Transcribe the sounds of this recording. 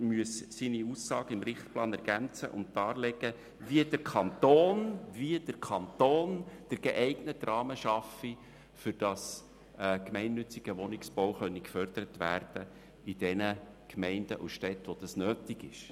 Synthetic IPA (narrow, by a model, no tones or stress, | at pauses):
myəssiniusːɑːɡəɪmɾɪχt̪plɑːnɛɾɡ̥ænt͡sə̰ʔʊ̰ntd̥ɑːlɛɡ̥ə | viəd̥əɾkʰɑnt̪oːnviəd̥əɾkʰɑnt̪oːnd̥əɾɡ̥eʔɛɪɡnətːrɑːməʃɑfi | fʏɾd̥ɑs | ɛkmɛɪnːʏt͡siɡ̥əʋɔnɪksb̥oʊχœnːikfœrd̥̪əɾət̪ʋæ̰ːrd̥ə | id̥ɛnə | kʰmɛɪndəʔusʃtɛt̪ʋod̥̪ɑsnøːt̪ɪɡɪʃ